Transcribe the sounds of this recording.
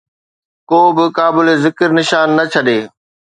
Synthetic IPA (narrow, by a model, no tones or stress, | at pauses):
koːbɪkaːbɪlezɪkəɾnɪʃaːnːɐt͡ɕʰɐɗeː